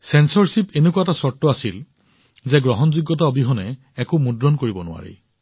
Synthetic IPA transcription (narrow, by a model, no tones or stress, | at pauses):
sɛnsɔɹsipenekuaɛtasɔɹtːɔasil | zɛɡɹɔɦɔnzuɡːɔt̬aobʱiɦɔnɛː | kʊmudɹɔnkoɹibɔnʊ̰a̰ɹḭ